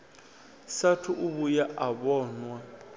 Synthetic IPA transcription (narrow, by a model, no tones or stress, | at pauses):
satʰʊʔuβujaʔabɔːnwa